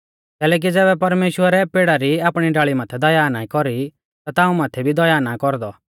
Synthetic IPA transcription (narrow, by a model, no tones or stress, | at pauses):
kɛːlɛːk̬id͡zɛːbɛpɐɾmeːʃwəɾɛpeːɽaɾiaːpɽ̃iɖaːɭimaːt̪ʰɛd̪ɔjaːnaːĩkɔɾi | t̪at̪aːũmaːt̪ʰɛbʱid̪ɔjaːnakɔɾd̪ɔ